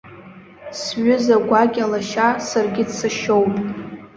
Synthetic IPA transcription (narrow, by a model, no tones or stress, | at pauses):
sɥʊzaɡʷaɡʲʼalaʃasarɡʲɪdsaʃowpʼ